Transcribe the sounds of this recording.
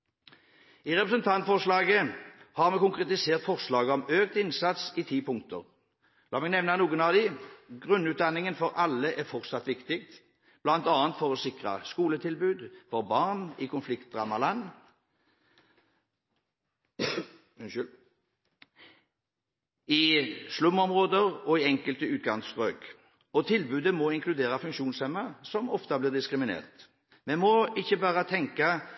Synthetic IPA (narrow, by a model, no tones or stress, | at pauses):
iːʁɛpʁəsənt̪ʰɑnt̪fɔʁʂlɑːɡəhɑʁmɛkʊŋkʁɛt̪ɪseːʁt̪fɔʁslɑːɡəɔmøːk̚t̪ɪnsɑt̪siːt̪ʰiːpʰʊŋkt̪əʁ | lɑːmɛɡnɛʋnɑnuːɡənɑʋd̪ɪɡʁʉnʉːt̪̚d̪ɑnɪŋənfɔʁʔɑlːəʔæʁfɔʁt̪sɑt̪ʋɪkt̪ɪk̚t̪ | b̥lɑnt̪ɑːənt̪fɔʁɔsɪkʁɑ̰skuːlət̪ʰɪlbʉːd̪fɔʁbɑːʁnikʰʊnflɪkt̪̚d̪ʁɑmɑlɑn | ɪslʉmːɔmʁoːd̪əʁɔɪɛŋkəlt̪əʉːt̪̚ɡɑŋsʁøːɡ | ɔt̪ʰɪlbʉːd̪əmɔɪŋkʰlʉd̪eːʁɑfʉŋkʃuːnsɛmːɑsɔmɔ̰ft̪ɑblɪːʁd̪ɪskɾʁɪmɪnḛːʁt̪ | mɛnmɔɪçːəbɑːʁət̪ʰɛŋkɑ